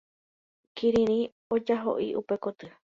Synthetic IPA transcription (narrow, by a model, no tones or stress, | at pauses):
kiɾĩɾ̃ĩ | od͡ʒaɦo̰ʔiʔupe̞kot̪ɨ